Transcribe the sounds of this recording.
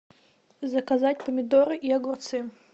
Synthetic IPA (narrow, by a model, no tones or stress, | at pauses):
zɐkazat̚ʲpəmʲɪd̪oɾɨʔiɐɡʊrt̪sɨ